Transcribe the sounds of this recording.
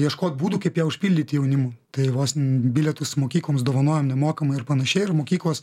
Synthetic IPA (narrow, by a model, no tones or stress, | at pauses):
jiɛʃkoːt̪̚buːd̪ʊkɐɪpjɛʊʃʲpʲilʲdʲɪt̪ʲɪjɛʊnʲɪmʊt̪ɐɪʋosbʲilʲɛt̪ʊsmoːkʲiːklˠoːmsd̪oːʋɐnoːjoːmnʲɛmoːkɐmɐɪɐrpɐnɐʃʲɛɪɪrmoːkʲiːklˠoːs